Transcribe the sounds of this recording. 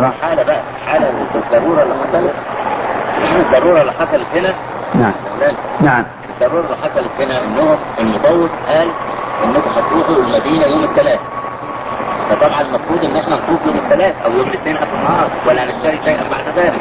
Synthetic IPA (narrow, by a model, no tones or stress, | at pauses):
ħaːlæbæʔæ | ħaːlæot̪d̪ːˤɑrˤːuːɾˤɑlːimot̪ælet̪ | enʔæned̪ːɑɾˤːuːɾˤɑlːiħɑsˤɑlet̪henæ | naʕælæːn | naʕm | ed̪ˤːɑɾˤːuːɾˤɑlːiħɑsˤɑlet̪henæʔenːoːomelmod̪ˤɑwːet̪ʔæːlʔenːok̪æħæt̪ʔuːxoelmæd̪iːnæjoːmet̪ːælæːθæ | fæt̪ˤɑbʕɑnlmɑfɾˤuːd̪ˤʔenːʔeħnænfˤuːfjoːmet̪ːælæːθæʔæwjoːmet̪neːnʔæbmɑːɾˤwælːæʕneʃːæɾiʃæjʔæ̰mmːaʕnæðæːlɪk